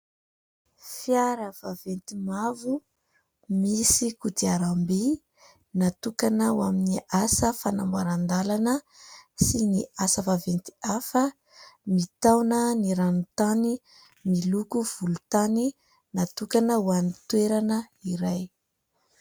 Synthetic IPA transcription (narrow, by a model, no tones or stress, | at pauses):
fiaɾəv̥avent̪imavu | misikud̪iaɾambi | nat̪ukanəwaminiʔasəfanambaɾand̪alanə | siniasəvavent̪i̥afə | mit̪awnəniɾanut̪ani | milukuv̥ulut̪ani | nat̪ukanəwanit̪weɾanəiɾaj